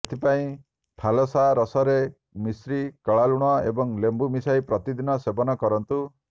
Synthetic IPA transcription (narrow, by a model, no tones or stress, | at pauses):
et̪ʰipaĩ | ʈʰalɔsaɾɔsɔɾe | misɾikɔɭaluɽ̃ɔebɔŋlembumisajpɾɔt̪id̪inɔsebɔnɔkɔɾɔnt̪u